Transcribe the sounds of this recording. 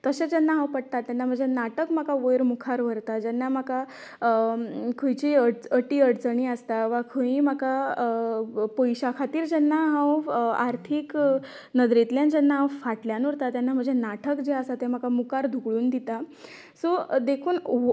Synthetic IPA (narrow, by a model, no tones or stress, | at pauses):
t̪əɕed͡ʑɛnːaɦãwpəɽ̚t̪at̪ːjanːam̤əɳd͡zʱenaʈəkm̤akaʋojɾmukʰaɾʋ̤əɾt̪ad͡ʑɛnːamaka | kʰəjt͡ɕiəɽt͡səʈiːəɽt͡səɳ̃iːəst̪aʋakʰəĩmaka | pojɕakʰat̪iːɾd͡ʑɛnːaɦãwaɾt̪ʰiːk | nəd̪ɾet̪ljãnd͡ʑɛnːaɦãwfaʈljanuɾt̪ajanːam̤əɳd͡zʱenaʈʰəkd͡ʑeasat̪em̤akamukaɾd̪ʱuɡɭuːnd̪it̪a | sod̪ekʰuːn